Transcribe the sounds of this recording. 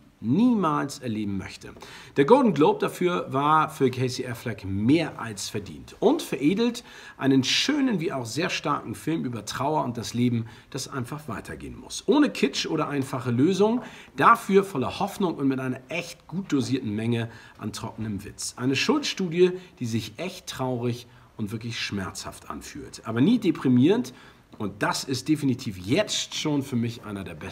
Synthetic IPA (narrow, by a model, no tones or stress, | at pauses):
niːmaːlsɛɐleːbm̩mœ̰çtʰə̰d̥eːɐɡoʊldn̩ɡloʊp̚d̥afyːɐvaːɐfyːɐkʰɛɪsiʔɛflɛkmeːɐʔa̰lsfɛɐdḭːntʔʊntfɛɐʔeːdl̩t | ʔa̰ɪnənʃøːnənviːaʊxz̥eːɐʃta̰ɐkŋ̩fɪlmʔyːbɐtʁ̥aʊɐʊnt̚d̥asleːbm̩ | d̥asʔa̰ɪnfaχv̥a̰ɪtʰɐɡḛːənmʊ̰sʔoːnəkʰɪt͡ʃʔoːɾɐʔaɪnfaχəløːzʊŋd̥afyːɐfɔlɐhɔfnʊŋʊntmɪtʔaɪnɐʔɛçt̚ɡ̥uːt̚d̥oziːɐtn̩mɛŋəʔa̰ntʁ̥ɔk̚nəmvɪ̰t͡sʔaɪnəʃʊltʃtuːdjəd̥iːzɪçʔɛçtːʁ̥aʊʁɪç | ʔʊntv̥ɪɐklɪçʃmɛɐt͡sha̰ftʔa̰nfy̰ːltʔaːbɐniːdepʁ̥imiːʁənt | ʔʊnt̚d̥asɪst̚d̥efinitʰiːfjɛt͡stʃoːnfyːɐmɪçʔa̰ɪnɐdeːɐbɛ